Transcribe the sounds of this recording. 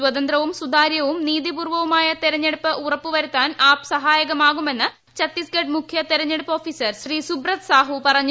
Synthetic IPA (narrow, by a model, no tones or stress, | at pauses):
wɐd̪ɐnd̪ɾɐʋumsud̪aːɾjɐʋumniːðipuːrʋɐʋumaːjɐt̪eɾɐɲːeɽupːɨʔurɐpːuʋɐɾut̪ːaːnaːpsɐɦaːjɐɣɐmaːɣume̞nːɨ | t͡ɕɐt̪ːisɡeɖmukʰjɐt̪eɾɐɲːeɽupːɐoːfiːsɐrɕriːsubrɐt̪saːɦupɐrɐɲː